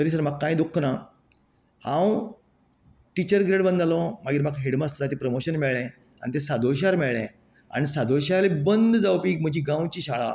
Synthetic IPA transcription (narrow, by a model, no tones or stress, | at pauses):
t̪əɾiːs̬əɾm̤aɡkːãj̃d̪ukʰːna | hãw | ʈit͡ɕəɾɡɾeɽbənd̪alɔ̃maɡiːɾm̤akɦeɽmast̪ʰəɾat̪iːpɾəmoɕənmɛɭɛ̃ | a̰ɽ̃nit̪ẽsad̪ʱoɭɕ̬aɾmɛɭɛ̃ | a̰ɽ̃isad̪ʱoɭɕaɾlebənd̪d͡zawpiːk̚m̤əd͡ʑʱiːɡãwt͡ɕiːɕaɭa̰